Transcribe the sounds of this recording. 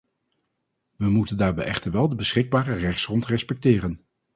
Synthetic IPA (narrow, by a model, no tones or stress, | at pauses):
ʋəmutəndaːɹbɛjɛχtəɹʋɛlˠdəbəsχɪɡ̚baːrərɛχtsrɔntrɛspɛk̚tɪːrən